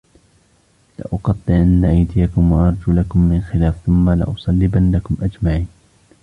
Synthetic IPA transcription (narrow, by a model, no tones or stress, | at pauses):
lɪ̰ʔʊqɑt̪ˤːɨʕʔanːaʔajd̪ɪjakʊmwɑʔɑɾˤd͡ʒuːlakʊmːɪnxɪlaːfθʊmːalɪ̰ʔʊsˤɑlːɪbanːakʊmʔad͡ʒmaʕiːn